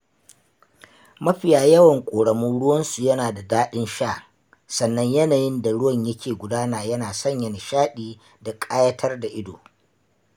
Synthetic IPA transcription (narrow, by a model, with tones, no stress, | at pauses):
mɐ˦ɸɪ˨jaː˦jɐ˦wɐ˨ŋkʷʼoː˨ɽɐ˨mʊ˦ɽʊ˦wɐ˦nsu˨jɐ˦naː˨da˨daː˦ɗɪ˦nʃaː˦˨ | sɐ˨nːɐ˦ɲjɐ˦naː˨jɪ˦nda˨ɽʊ˦wɐ˨ɲjɐ˦kʲʰeː˨ɡʷʊ˨daː˦naː˨jɐ˦naː˨sɐ˦˨ɲjɐ˨nɪ˨ʃaː˦ɗiː˦ | da˨kʼaː˦jɐ˦tʰɐ˦rda˨ʔɪ˦do̰ː˨